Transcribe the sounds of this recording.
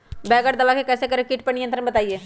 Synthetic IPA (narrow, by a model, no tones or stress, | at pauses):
bɛːɡəʈd̪əbaːkekɛːsekəɾekɪʈpəɳɪjə̃nt̪ɾənbət̪aːieː